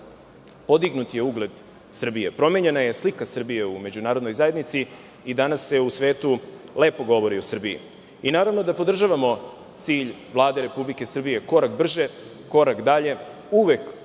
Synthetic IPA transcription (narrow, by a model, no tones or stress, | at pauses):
po̞d̪iɡnut̪ije̞uɡle̞d̪ | sr̩bijepɾo̞me̞ɲe̞naje̞slikasr̩bije̞ume̞d͡ʑunaːɾod̪nojzaje̞d̪nit̪si | id̪anasːe̞usʋe̞ːt̪ule̞ːpo̞ɡo̞ʋo̞ɾiosr̩bijḭ | inaːɾaʋno̞d̪apo̞d̪r̩ʒaʋamo̞ | t̪siːʎʋlˠaːd̪e̞ɾe̞publike̞sr̩bije̞ko̞ɾak̚br̩ʒe̞ | ko̞ɾakd̪aʎe̞ | uʋe̞k